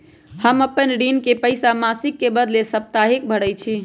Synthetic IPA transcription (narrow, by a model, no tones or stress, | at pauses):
həməpənɖinkepəɪjsamasikːebəd̪lesəp̚t̪aɦik̚bʱəɽət͡ʃʰi